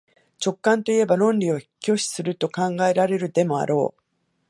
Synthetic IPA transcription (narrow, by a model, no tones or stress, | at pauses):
t͡ɕo̞kːãnt̪o̞ie̞baɾõ̞nɾʲiokʲo̞ɕi̥sɨɾɯ̟t̪o̞kãŋɡae̞ɾaɾe̞ɾɯ̟d̪e̞mo̞a̰ɾo̞̰ː